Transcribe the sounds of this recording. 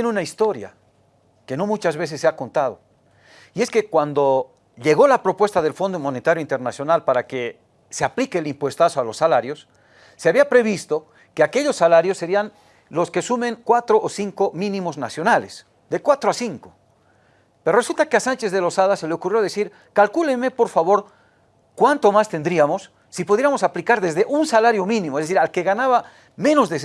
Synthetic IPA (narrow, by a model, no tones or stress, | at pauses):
jeneunaist̪o̞ɾja̰ | ke̞no̞mut͡ʃazβe̞s̬esːeako̞nt̪að̞o̞̰ | ie̞ske̞kwand̪o̞ | ʎe̞ɣo̞lapɾo̞pwe̞st̪aðe̞lfo̞nd̪omo̞net̪aɾjo̞int̪e̞ɾnasjo̞nalpaɾake̞ | se̞aplikeːlimpwe̞st̪aso̞alo̞sːalaɾjo̞sː | eaβiapɾe̞βist̪o̞ | ke̞ake̞ʎo̞sːalaɾjo̞sːe̞ɾian | lo̞ske̞sumẽ̞ŋkwat̪ɾo̞ʔosiŋko̞mĩnĩmo̞znasjo̞nales | d̪ekwat̪ɾoasiŋko | peɾore̞sult̪akeasant͡ʃe̞zðe̞lo̞saðase̞leokurjoðesiɾ | kalkuleme̞po̞ɾfaβo̞ɾ | kwant̪o̞mast̪e̞nd̪ɾiamo̞sː | ipuðjeɾamo̞saplikaɾðe̞zðeʔunsalaɾjo̞mĩnĩmoezðes̬iɾalke̞ɣanaβa | mẽ̞no̞zðe